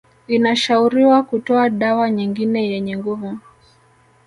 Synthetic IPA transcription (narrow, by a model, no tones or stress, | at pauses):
inaʃauɾiwakutɔaɗawaɲiŋɡinɛjɛɲɛŋɡuvu